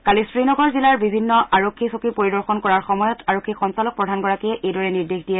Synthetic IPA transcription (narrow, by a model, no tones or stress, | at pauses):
kalisɹinɔɡɔɹzilaɹbibʱinːɔʔaɹokʰːisokipoɹidɔɹxɔnkɔɹaɹxɔmɔjɔtʰaɹokʰːixɔnsalɔk̚pɹɔdʱanɡɔɹakiɛʔejdɔɹɛniɹdexdijɛ